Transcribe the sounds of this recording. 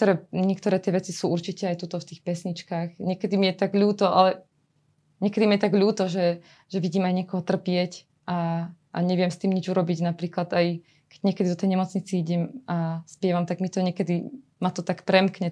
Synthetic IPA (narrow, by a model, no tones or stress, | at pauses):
t̪ɔɾɛɲɛkt̪ɔɾɛːt̪ɪɛʋɛt͡sisuːʔuɾt͡ʃicɛajt̪ut̪ɔft̪iːxpɛsɲit͡ʃkaːxɲɪɛkɛd̪imijɛt̪aɡʎuːt̪ɔʔa̰lɛ | ɲɛkɛd̪imiɛt̪aɡʎuːt̪ɔʒɛ | ʒɛʋiɟiːmajɲɪɛkɔɦɔt̪r̩pɪɛc | ʔaʔːɲɛʋɪɛmst̪iːmɲid͡ʒuɾɔbiɟnapɾiːklad̪aj | kɛɟ̥ɲɪɛkɛd̪id̪ɔt̪ɛjɲɛmɔt͡sɲit͡siiɟɛmaspɪɛʋamt̪aɡmit̪ɔɲɛkɛd̪i | mat̪ɔt̪akpɾɛmkɲɛ